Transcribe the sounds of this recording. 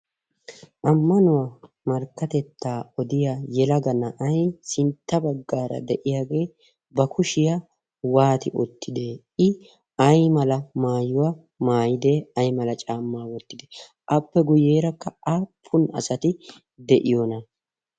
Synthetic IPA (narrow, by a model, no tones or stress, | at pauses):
ʔɐmːɐnʊwaː | mɐɾkːɐt̪ɛt̪ːaːɔd̪ɪjajɛlɐɡɐnɐʔɐjsɪnt̪ːɐbɐɡːaːɾɐ̰d̪ɛʔɪjaːɡe̞ː | bɐkʰʊʃɪja | waːt̪ɪʔɔ̰t̪ʰːɪd̪e̞ː | ɪ | ɐjmɐlɐmaːjʊwa | maːjɪd̪eɐjmɐlɐt͡ʃʼaːmːaːwɔt̪ːɪd̪ɛ | ʔɐpːɛɡʊjːeːɾɐkːɐʔapʰːʊnɐ̰sɐt̪ɪ | d̪ɛʔɪjonɐ